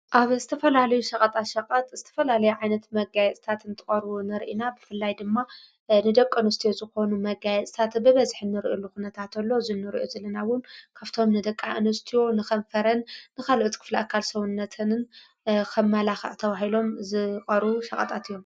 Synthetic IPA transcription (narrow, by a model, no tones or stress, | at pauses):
ʔaβzɨt̪ʰɐfɐlalɐjuʃɐkʼɐt̪ʼaʃɐkʼɐt̪ʼz̥ɨt̪ʰɐ̥fɐlalɐjuʕajnɐt̪mɐɡajɛt͡s̪ʼt̪ʰat̪ɨnt̪ʰɨχʼɐɾβunɐɾʔinabɨfɨlːajd̪ɨmːa | nɨd̪ɐkʼːɨnɐst̪ijo̞zɨxo̞numɐɡajɛt͡sʼt̪ʰat̪bɨβɐzħɨnːɨɾʔilːuxunɐt̪ʰat̪ʰɐlːo̞zɨnːɨɾḭʔozɐlɐnawʊnkʰaβt̪ʰo̞mnɨd̪ɐkʼːaʔɨnust̪ʰijo̞nɨxɐnfɐɾɐnːɨkalʔot̪kʰɨ̥fliakʰːalsɐβunːɐt̪ʰɨnn | kʰɐmːɐlaxɐ̰ʕt̪ʰɐβaɦilo̞mzɨkʼɐɾuʃɐkʼɐ̰t̪ʼat̪ɨjːo̞m